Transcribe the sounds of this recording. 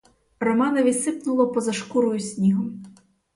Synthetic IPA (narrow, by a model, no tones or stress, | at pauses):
rɔmɑnɔʋʲisɪpnʊlˠɔpɔzɐʃkuɾʊjsʲnʲiɦɔm